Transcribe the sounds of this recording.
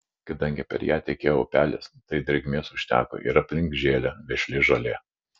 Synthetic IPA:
kɐd̪ɐŋʲɡʲɪpʲɛ̰ɾjæːt̪ʲɛkʲeːjoʊːpʲæːlʲest̪ɐɪd̪ʲɾʲɛɡʲmʲeːsʊʃʲt̪ʲæ̰ːko̰ʔɪ̰ɾɐpʲlʲɪŋkʒʲeːlʲɛʋʲɛʃʲlʲɪʒɐlʲeː

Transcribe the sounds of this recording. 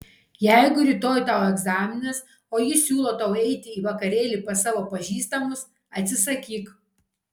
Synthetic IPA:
jɛɪɡʊɾʲiːt̪oːjt̪ɑʊɛɡzɑːmʲɪnʲɐs | oːjɪsʲuːlˠoːt̪ɐʊɛɪt̪ʲɪiːʋɐkɐɾʲeːlʲiˑpɐsɑːʋoːpɐʒʲiːst̪ɐmʊs | ɐt̪ʲsʲɪsɐkʲiːk

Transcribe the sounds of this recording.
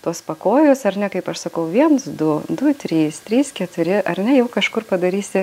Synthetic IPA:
t̪uɔspɐkoːjʊsɐɾnʲɛkɐɪpɐʃsɐkɐʊʋʲiɛnsd̪ʊd̪ʊt̪ʲɾʲiːst̪ʲɾʲiːskʲɛt̪ʊɾʲɪʔɐɾnʲɛjɛʊkɐʃkʊrpɐd̪ɐɾʲiːsʲɪ

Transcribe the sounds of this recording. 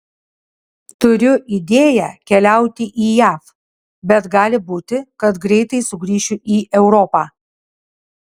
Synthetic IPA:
t̪ʊɾʲʊʔid̪ʲeːjæ̰kʲɛlʲæˑʊt̪ʲɪʔiːjæːf | bʲɛt̪ɡɑːlʲɪbuːt̪ʲɪkɐt̪ɡɾʲɛɪt̪ɐɪsʊɡɾʲiːʃʲʊʔiːʔɛʊɾɔpɑː

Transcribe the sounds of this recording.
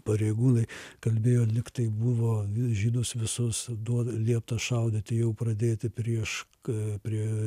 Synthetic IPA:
pɐɾʲeɪɡuːnɐɪkɐlʲbʲeːjoːlʲɪkt̪ɐɪbuʋoːʒʲiːnʊsʋʲɪsʊsd̪uɔdlʲiɛpt̪ɐʃɐʊd̪ʲɪt̪ʲɪjɛʊprɐd̪ʲeːt̪ʲɪpʲɾʲiɛʃ | pʲɾʲiɛ

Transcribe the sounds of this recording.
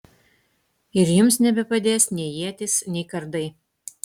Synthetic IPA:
ɪɾjʊmsnʲɛbʲɛpɐd̪ʲeːsnʲɛɪjiɛt̪ʲɪsnʲɛɪkɐɾd̪ɐɪ

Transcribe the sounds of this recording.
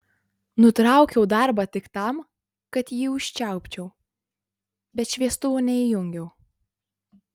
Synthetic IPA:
nʊt̪ɾɑˑʊkʲɛʊd̪ɑˑɾbɑt̪ʲɪkt̪ɑm | kɐt̪jiːʊʃʲt͡ʃʲæˑʊpʲt͡ʃʲɛʊ | bʲɛt̪ʃʲʋʲiɛst̪ʊʋoːnʲɛɪjʊŋʲɡʲɛʊ

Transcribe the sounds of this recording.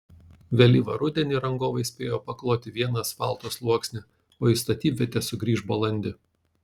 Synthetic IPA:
ʋʲelʲiːʋɐɾʊd̪ʲɛnʲiːɾɐŋɡoːʋɐɪsʲpʲeːjoːpɐklˠoːt̪ʲɪʋʲiɛnɐspɑ̰ˑlˠˑt̪oːslˠuɔksʲnʲɪ | oːist̪ɐt̪ʲiːpʲʋʲɛt̪ʲɛsʊɡɾʲiːʒbɐlˠɐnʲd̪ʲɪ

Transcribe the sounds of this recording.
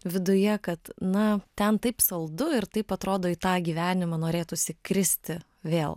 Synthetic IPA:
ʋʲɪd̪ʊjɛkɐt̪nɐt̪ʲɛnt̪ɐɪpsɐlˠd̪ʊɪɾt̪ɐɪpɐt̪ɾoːd̪oːit̪ɑːɡʲiːʋʲæːnʲɪmɐnoːɾʲeːt̪ʊsʲɪkɾʲɪsʲt̪ʲɪ | ʋʲeːlˠ

